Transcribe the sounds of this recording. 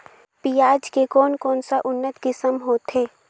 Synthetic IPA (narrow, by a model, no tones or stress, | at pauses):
piːaːd͡ʒkekɔːnkɔːnsaʔʊnːət̪kɪsəmɦoːt̪ɦeː